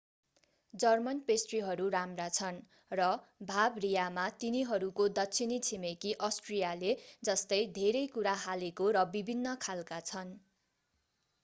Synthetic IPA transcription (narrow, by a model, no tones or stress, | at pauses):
d͡zʌrmʌnpesʈriɦʌɾuɾamrat͡sʰʌn | rʌ | bʱabrijamat̪iniɦʌɾukod̪ʌtːsʰinit͡sʰimekiʔʌsʈrijaled͡zʌst̪ʌjd̪ʱeɾʌjkuɾaɦalekoɾʌbibʱinːʌkʰalkat͡sʰʌn